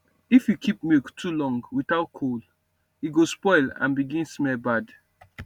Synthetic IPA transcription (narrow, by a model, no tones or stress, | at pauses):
ifjukʰip̚miktʰulɔ̃ŋɡwiθaʊt̚kʰol | iɡospɔɪlã̰nbiɡĩnsmɛlbad